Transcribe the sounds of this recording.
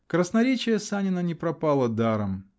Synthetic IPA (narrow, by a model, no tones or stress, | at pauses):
kɾəsnɐɾʲet͡ɕɪjəsanʲɪnənʲɪpɾɐpalˠəd̪aɾəm